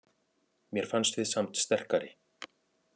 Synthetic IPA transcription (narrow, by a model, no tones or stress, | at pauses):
mjɛɾ̥fanst̪vɪðsamt̪st̪ɛr̥kaɾɪ̰